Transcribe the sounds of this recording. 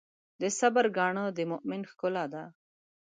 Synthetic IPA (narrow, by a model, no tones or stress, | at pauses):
d̪əsabaɾɡɑːɳəd̪əmʊʔmɪnxkʊlad̪a